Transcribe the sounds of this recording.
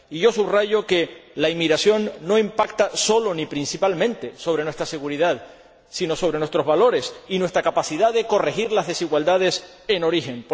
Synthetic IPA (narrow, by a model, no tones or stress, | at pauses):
iʝo̞suβraʝo̞ke̞laimiɣɾasjo̞nːo̞impakt̪aso̞lo̞nipɾinsipalmẽ̞nt̪e̞so̞β̞ɾenwe̞st̪ɾase̞ɣuɾiðað | sino̞so̞βɾe̞nwest̪ɾo̞zβalo̞ɾe̞sinwe̞st̪ɾakapasiðaðe̞ko̞re̞xiɾlazðesiɣwald̪að̞e̞s | e̞no̞ɾixe̞np